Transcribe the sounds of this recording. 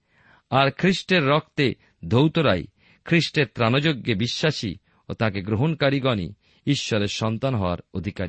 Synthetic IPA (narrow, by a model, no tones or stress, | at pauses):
aɾkʰɾiʃʈeɾːɔk̚t̪e | d̪ʱowt̪oɾa̰j | kʰɾiʃʈeɾt̪ɾanod͡ʑoɡːebiʃːaʃḭ | ot̪ãkeɡɾoɦonkaɾiɡɔnḭ | iʃːɔɾeɾʃɔnt̪anɦɔoa̰ɾod̪ʱikaɾi